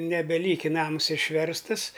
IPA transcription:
nʲɛbʲɛˈlʲiːkʲɪ ˈnɐms ɪʃʲˈʋʲɛrstɨs

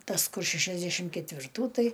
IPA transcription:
ˈtɐs ˈkʊr ʃʲɛʃʲɛzʲˈdʲæːʃʲɪm kʲɛtʲʋʲɪrˈtuː ˈtɐɪ

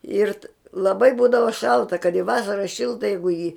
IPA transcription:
ˈɪr lˠɐˈbɐɪ ˈbuːdɐʋɐ ˈʃɐlˠtɐ kɐt ɪ ˈʋɑːsɐrɐ ˈʃʲɪlˠtɐ ˈjɛɪɡʊ ɪ jɪ

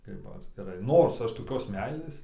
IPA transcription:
ˈkɐɪp ɐtʲsʲkʲɪˈrɐɪ ˈnoːrs ˈɐʃ toːˈkʲoːs ˈmʲɛɪlʲeːs

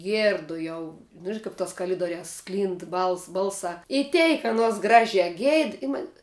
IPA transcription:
ˈɡʲiɛrdʊ ˈjɛʊ nʊ ˈʒʲɪnɐ ˈkɐp toːs kɐˈlʲɪdoːrʲæːs ˈsklʲiːnt ˈbɐlˠs ˈbɐlˠsɑː ɪ ˈtʲɛɪk ɐˈnuɔs ˈɡrɑːʒʲæː ˈɡʲɛɪt ɪ ˈmɐnʲ

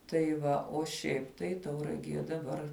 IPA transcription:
tɐɪ ˈʋɐ oː ˈʃʲɛɪp tɐɪ tɐʊrɐˈɡʲiɛ dɐˈbɐr

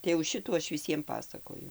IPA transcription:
tɐɪ jɛʊ ˈʃʲɪtuː ˈɐʃ ʋʲɪˈsʲiɛm ˈpɑːsɐkoːjʊ

